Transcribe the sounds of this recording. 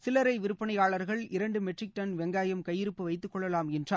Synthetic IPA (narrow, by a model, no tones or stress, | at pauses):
sɪlɐɾɐɪʋɪɾɯpːɐɳɐjaːɭɐɾɣɐɭɪɾɐɳɖɯmɛʈrɪk̚ʈɐnʋɛŋɡaːjɐmkɐjːɪɾɯpːɯʋɐɪt̪ːɯkːɔɭːɐlaːmɛndraː